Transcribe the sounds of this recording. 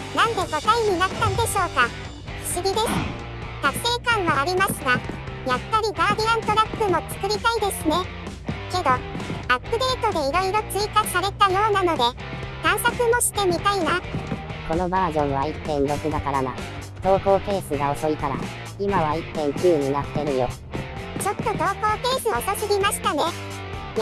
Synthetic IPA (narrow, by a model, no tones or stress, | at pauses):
nãnd̪e̞ɡo̞t̪aiɲ̟inat̪ːad̪e̞ɕo̞ːka | ɸɯ̟̥ɕiɡʲid̪e̞sɨ̥ | k̪ḁse̞ːkãɰ̃βaːɾʲimasɨɡajapːaɾʲiɡaːɾʲiãnt̪o̞ɾapːɯmo̞t͡sɨ̥kɯ̟ɾʲit̪aid̪e̞sɨne̞ | ke̞d̪o̞apːɯ̟d̪e̞ːt̪o̞d̪e̞iɾo̞iɾo̞t͡sɨikasaɾe̞t̪ajo̞ːnano̞d̪e̞ | kãɰ̃sakɨmo̞ɕi̥t̪e̞mʲit̪ainako̞no̞baːʑõ̞ɰ̃β̞ait̪ːẽ̞nɾo̞kɯ̟d̪akaɾana̰ | t̪o̞ːho̞ːke̞ːsɨɡao̞so̞ik̪aɾa̰ | imaβait̪ːẽ̞ŋkʲɨːɲ̟inat̪ːe̞ɾɯ̟jo̞ | t͡ɕo̞t̪ːo̞t̪o̞ːho̞ːke̞ːsɨot̪o̞sɨɡʲimaɕi̥t̪ane̞